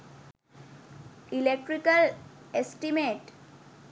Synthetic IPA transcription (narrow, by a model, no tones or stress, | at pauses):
ilek̚ʈɾikəlesʈimeʈ